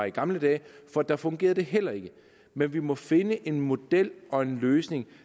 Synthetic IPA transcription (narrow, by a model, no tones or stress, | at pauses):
iɡ̥ɑ̈mləd̥ɛ̰ːfɒ̽d̥ɑ̈fɔ̽ŋɡ̥e̝̰ːɐð̩ˠd̥e̝ɦel̰ɐe̝ɡ̥ə | menʋimɒ̽fe̝nəʔe̝nmo̝d̥el̰ɒ̽e̝nløːsne̝ŋ